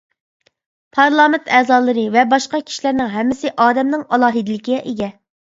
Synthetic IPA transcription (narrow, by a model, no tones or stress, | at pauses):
pʰɑɾlˠɑːmɪnt̪ʰɛːzɑːlˠɨɾɨvɛbɑʃqɑkʲʰi̥ʃilæɾnɪŋɦɛmːɪsɪʔɑːd̪ɛmnɪŋɑlˠɑːɦid̪ɪlɪkʲiɛʔeɡʲɛ